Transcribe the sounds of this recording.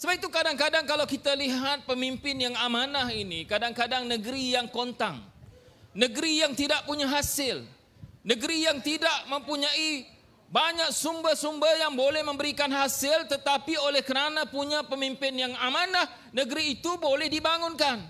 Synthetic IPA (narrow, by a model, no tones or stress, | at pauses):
səbapit̪ukadaŋkadaŋkalawkit̪aliɦat̪̚pəmimpɪnjaŋamanaɦinikadaŋkadaŋnəɡɾijaŋkont̪aŋ | nəɡɾijaŋt̪idaʔ̚puɲaɦasɪl | nəɡɾijaŋt̪idaʔ̚məmpuɲai | baɲak̚sumbahsumbajaŋbolɛhmə̃mbəɾikanɦasɪlt̪ət̪apiolɛhkəɾanapuɲapəmimpɪnjaŋamanah | nəɡɾiːt̪ubolɛhdibaŋʊnkan